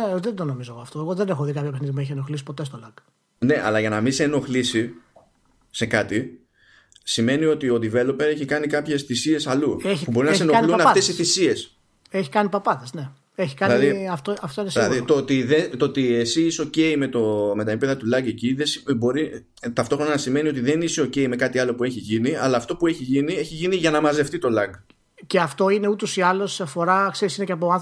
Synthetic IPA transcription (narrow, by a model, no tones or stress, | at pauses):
neðend̪onomizoɣoɐft̪o̞eɣo̞ðenexoðikɐpçopexniðimueç̬ieno̞xlisi̥po̞t̪e̞st̪olɐk | ne̞ʔɐ̰lɐʝɐnɐmiseno̞xlisi | se̞kɐt̪i | sime̞nio̞t̪io̞ðive̞lo̞pe̞ɾe̞çikɐnikɐpçe̞sθisie̞sɐluepubbo̞ɾinɐsenoɐnlunɐft̪e̞siθisie̞s | eçi̥kɐnipɐpɐt̪esne̞ | eçi̥kɐilɐðiɐft̪oɐft̪oinesɐðit̪oot̪iðet̪oot̪iesiiseo̞ce̞ime̞t̪ome̞t̪ɐipeðɐt̪ulɐɡe̞ciðesbo̞ɾi | t̪ɐft̪o̞xɾo̞nɐnɐsime̞nio̞t̪iðe̞niseoce̞ime̞kɐt̪iɐlo̞pue̞çiʝiniɐlɐːft̪o̞pue̞çiʝinie̞çiʝiniʝɐnɐmɐze̞ft̪it̪o̞lɐɡ | ce̞ɐft̪o̞ine̞ut̪o̞siɐlosɐfo̞ɾɐkse̞ɾisine̞ceɐpoɐθ